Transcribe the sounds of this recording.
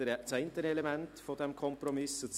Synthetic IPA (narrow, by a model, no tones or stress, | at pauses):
t͡sɛɪntəɾɛlemɛnt̪fodɛmkʰɔmpɾɔmɪsət͡s